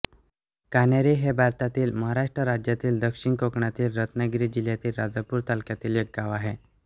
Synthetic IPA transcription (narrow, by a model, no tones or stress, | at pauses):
kanjaɾiɦebʱaɾt̪at̪iːlməɦaɾaʂʈɾəɾad͡ʑjat̪iːld̪əkʂiɳkokɳat̪iːlɾət̪naɡɾid͡ʑiljat̪iːlɾad͡zəpuːɾt̪alkjat̪iːljeɡːaʋaɦe